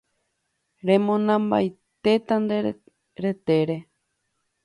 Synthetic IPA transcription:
ɾẽmõnãmba̰jt̪e̞t̪and̪e | ɾe̞t̪eɾe

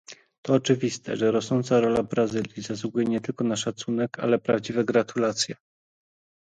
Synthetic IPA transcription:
t̪ɔːt͡ʂɘvʲist̪ɛ̰ʐɛɾɔsnɔnt̪saɾɔlabɾazɘlʲjizasuɡujɛɲɛt̪ɘlkɔnaʂat̪sunɛka̰lɛpɾavd͡ʑivɛɡɾat̪ʰulat̪sʲjɛ

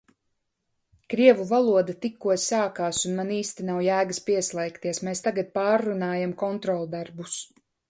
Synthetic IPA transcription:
kɾiɛvuvalˠuɔd̪at̪ikːuɔsaːkaːsunmaniːst̪inawjæːɡaspiɛslˠɛjkt̪iɛsmeːst̪aɡat̪̚paːɾːunaːjamkɔnt̪ɾɔlˠd̪aɾbus

